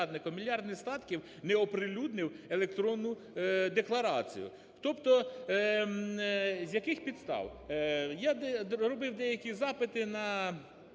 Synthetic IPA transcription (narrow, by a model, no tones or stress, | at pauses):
d̪nɪkɔmʲilʲjɑrd̪nɪst̪ɑt̪kʲiw | nɛɔpɾɪlʲud̪nɪwelˠekt̪ɾɔnːʊ | d̪eklˠɐɾɑ̰t͡sʲḭjʊ̰ | t̪ɔpt̪ɔ | zʲjɐkɪxpʲid̪st̪ɑ̰wjaɛɾɔbɪwd̪ɛjɐkʲizɑpɪt̪ɪnɐ